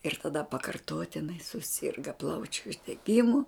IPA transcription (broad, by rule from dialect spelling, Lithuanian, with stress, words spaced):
ɪr tɐˈdɐ pɐkɐrˈtoːtʲɪnɐɪ sʊˈsʲɪrɡɐ ˈplˠɐʊt͡ʃʲʊ ʊʒʲdʲɛˈɡʲɪmʊ